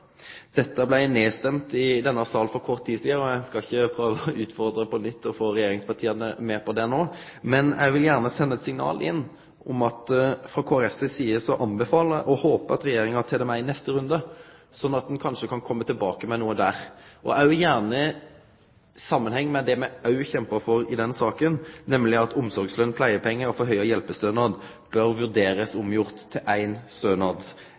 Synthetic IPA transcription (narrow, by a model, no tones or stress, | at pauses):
d̪̥ɛt̪ːəblæɪneːst̪ɛmt̪ɪd̪ɛnːəsɑːln̩fɔɾkʰɔʁt̪ʰːiːsiːəɾɔæɪskɑɪçːəpʰɾøːʋəʉːt̪fɔɾd̪ɾəpʰɔnʏt̪ːɔfoːɾɛjeːɾɪŋspɑt̪ʰiːənəmeːɾpʰɔd̪ɛnoː | mɛnʔɛ̰ɪʋɪljæːʁnəsɛnːəɛt̪sɪŋnɑ̰ːlʔɪ̰nː | ʔɔmɑt̪fʁɑkʰoːɾɛfsɛsiːəsɔʔɑnbɛfɑːləʔɔhoːpəɑt̪ɾɛjeːɾɪŋəɑt̪ʰɛːd̪əmæɪnɛst̪əɾʉnd̪əsɔnːɑt̪̚d̪ɛnkʰɑnʂəkʰɑnkʰɔmːət̪ʰɪlbɑːkəmɛnuːəd̪æʁʔɔʔɑʉjæːʁnə | sɑmːənhɛŋːmɛd̪ɛmɛɑʉçɛmpəfɔɾɪd̪ɛnsɑːkənnɛmlɪɑt̪ʰʊmsɔɾɡslœnpʰlæɪəpʰɛŋːəɾɔfɔɦœʏɑjɛlpəst̪øːnɑːd̪ | b̥œɾʋʉʁd̪eːɾəsʊmjʊʁt̪ʰːɪlʔæɪnst̪øːnɑːd̪